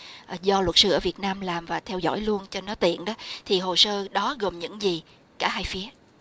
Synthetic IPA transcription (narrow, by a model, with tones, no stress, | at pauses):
ʔzɔ˧lwə˨˩t̚sɨ˧ʔəː˧˩vi˨˩ət̚naː˧mlaː˨˩mvaː˨˩t̪ʰɛ˧wzɔ̰˧˥˨jlu˧ənt͡ɕe˧nːɔ˨˦t̪ḭ˧˨ənɗɔ˨˦t̪ʰi˨˩ɦo˨˩səː˧ɗɔ˨˦ɣə˨˩mɲɨ̰˧˥ŋzi˨˩ | kaː˧˩ɦaː˧jfi˨˦ə